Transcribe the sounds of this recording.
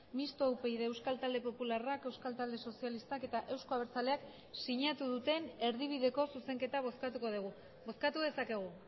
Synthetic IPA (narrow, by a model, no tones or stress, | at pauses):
mist̪o̞upejðeewskalt̪ald̪e̞po̞pularake̞wskalt̪ald̪e̞so̞sialist̪ake̞t̪aʔe̞wsko̞aβeɾt͡sale̞ak | siɲat̪uðut̪e̞ne̞ɾðiβ̞iðe̞ko̞suse̞ŋke̞t̪aβoskat̪uko̞ðuɣu | bo̞skat̪uðe̞sake̞ɣ̞u